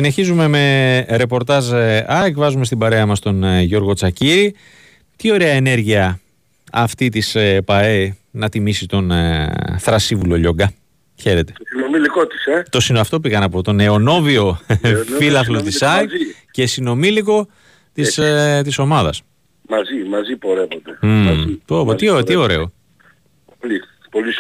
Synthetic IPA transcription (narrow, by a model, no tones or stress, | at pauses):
sine̞çizume̞me̞ɾe̞po̞ɾt̪ɐzɐekvɐzume̞st̪ibɐɾe̞ɐmɐst̪o̞nʝo̞ɾɣo̞t͡sɐciɾi | t̪io̞ɾeɐene̞ɾʝiɐ | ɐft̪it̪ispɐenɐt̪imisit̪o̞n | θɾɐsivulo̞ʎo̞ɡɐ | çe̞ɾet̪e̞̥inomilikot̪i̥set̪o̞sinɐft̪o̞piɣɐnɐpo̞t̪o̞ne̞o̞no̞vio̞filɐθlot̪isɐce̞sino̞miliko̞ | t̪ist̪iso̞mɐðɐ̰s | mɐzimɐzipo̞ɾevod̪et̪opoiot̪ioɾe̞o | oli | poli